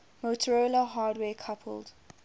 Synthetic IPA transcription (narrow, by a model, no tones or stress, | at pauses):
motʰəɹoːlaɦaːdwɛːkʰapʰə̰ld